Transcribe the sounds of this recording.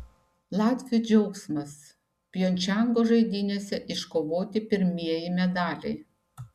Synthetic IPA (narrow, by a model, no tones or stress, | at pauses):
lˠɑːt̪ʲʋʲɪjud͡ʒʲɛʊksmɐs | pʲjoːnʲt͡ʃʲæŋɡoːʒɐɪd̪ʲɪnʲeːsʲɛʔɪʃkoːʋoːt̪ʲɪpʲɪɾʲmʲiɛjɪmʲɛd̪ɑːlʲɛ̰ɪ